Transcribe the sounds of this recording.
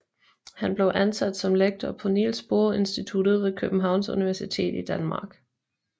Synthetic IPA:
hænb̥le̝ʊʔænsæd̥sɒ̽mleɡ̥̚d̥ɐpʰonḭlsb̥o̝ɐe̝nsd̥it͡sʰud̥ð̞̩ˠʋe̝kʰøb̥m̩ɦɑ̈ʊnsṵniʋæɐsit͡sʰe̝̰ːd̥id̥ænmɑ̈ːɡ̥

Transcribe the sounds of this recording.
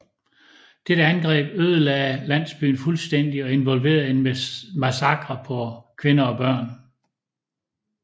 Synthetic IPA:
d̥eɾəænɡ̥ʁɛ̰ːb̥øðˠəlɛːlæn̰sb̥y̰ːn̩fulsd̥en̰d̥iɒ̽e̝nʋɒ̽lʋe̝̰ːɐð̩ˠenmæsɑ̈ɡ̥ʁɐpʰɒ̽kʰʋe̝nɐɒ̽b̥ɶɐ̰n

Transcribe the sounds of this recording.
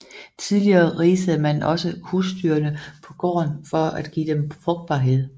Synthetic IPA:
t͡sʰiðˠliɐːʁiːsəð̩ˠmænɒ̽səhusd̥yːɐnəpʰɒ̽ɡ̥ɒ̰ːnfɒ̽æd̥ɡ̥ḭːd̥emfʁɔ̽ɡ̥̚d̥̚b̥ɑ̈ːɦe̝ð̞̰ˠ

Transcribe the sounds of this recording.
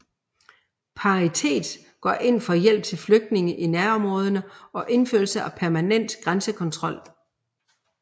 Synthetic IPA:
pʰɑ̈ʁit͡sʰe̝̰ːd̥ | ɡ̥ɒ̰ʔe̝n̰fɒ̽jel̰b̥̚t͡sʰe̝lfløɡ̥̚d̥ne̝ŋəʔinæɐɒ̽mʁɔ̽ːð̞ˠɐnəɒ̽ʔe̝nføɐl̩səæpʰæɐmænen̰d̥ɡ̥ʁansəkʰɒ̽nt͡sʰʁɒ̽l̰

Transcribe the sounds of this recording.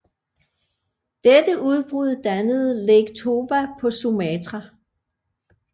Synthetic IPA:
d̥ed̥əʔuð̞ˠb̥ʁuð̰ˠd̥ænəð̞̩ˠleɡ̥t͡sʰo̝ːʋæpʰɒ̽sumɛt͡sʁɑ

